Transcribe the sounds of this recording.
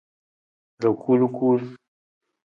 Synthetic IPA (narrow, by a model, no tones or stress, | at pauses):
d̪əkulukul